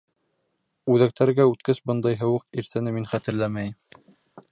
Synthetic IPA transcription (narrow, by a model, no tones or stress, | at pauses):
ʉðæk̚t̪æɾɡæʉt̪kɘsbɤnd̪ɑjɦɤ̆wɤqiɾt̪ʰɘ̆nɘminχæt̪ɘ̆ɾlæmæjm